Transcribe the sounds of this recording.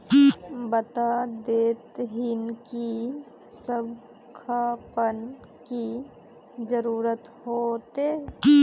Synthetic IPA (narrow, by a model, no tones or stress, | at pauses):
bət̪ad̪eːt̪ɦɪnki | səb | kʰaːpən | ki | d͡ʒəɾuːɾət̪hoːt̪e